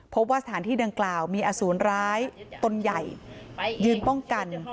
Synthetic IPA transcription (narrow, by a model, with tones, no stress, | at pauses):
pʰo˦˥p̚waː˥˩sa˧t̪ʰaː˩˦nt̪iː˥˩da˧ŋklaː˨˩wmiː˧ʔaː˧suː˩˦ənɾaː˦˥jt̪o˧nja˨˩jjɯː˧mpɔ˥˩ŋka˧n